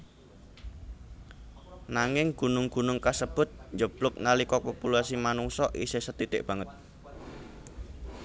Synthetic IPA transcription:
naŋɪŋɡ̥unʊŋɡ̥unʊŋkasəb̥ʊ̤t̪̚ɲd͡ʒəb̥lʊk̚nalikɔpopulasimanuŋsɔʔḭsesət̪it̪ɪ̰ʔb̥ä̤ŋət̪̚

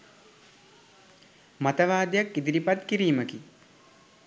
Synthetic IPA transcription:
mat̪əʋaːd̪jakːid̪iɾipat̪kiɾiːməki

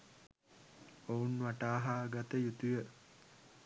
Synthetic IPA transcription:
ounʋaʈaːɦaːɡat̪əjut̪ujə

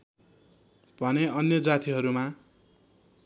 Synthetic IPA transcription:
bʱʌneʌnjʌd͡zat̪iɦʌɾuma

